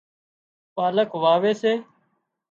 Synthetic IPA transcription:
paːləkʋaːʋeːseː

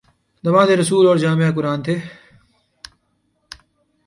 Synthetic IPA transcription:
d̪ɐʋãːd̪eːɾəsuːloːɾd͡ʒaːmejaːk̬ʊɾaːnt̪ʰeː

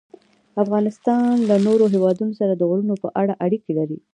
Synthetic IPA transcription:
afɣɑnɪst̪ɑnlanoɾoɦewɑd̪unosaɾad̪əɣɾunopəʔaɽaʔaɽikelaɾi

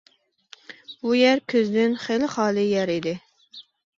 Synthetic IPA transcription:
bujæɾkʲʰøzd̪ɪnχelɪχɑːlˠɨjæɾid̪ɪ

